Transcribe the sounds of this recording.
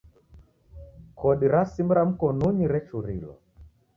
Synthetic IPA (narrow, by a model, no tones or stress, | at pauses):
kʰɔɗiɾasimbɾam̩kɔnuɲiɾɛt͡ʃuɾḭlɔ̰